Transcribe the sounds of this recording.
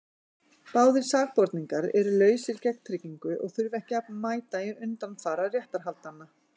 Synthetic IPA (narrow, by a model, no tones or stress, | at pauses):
paːwðɪɾ̥saːɣpɔɾt̪niŋkaɾɛɾʏlœːɥsɪɾcɛkn̥t̪ʰɾɪciŋkʏʔɔ̰ɣθʏɾvɛhcɪapnmaːjt̪ajɪʏnt̪anθaɾarjɛht̪aɾ̥ɦalt̪anːa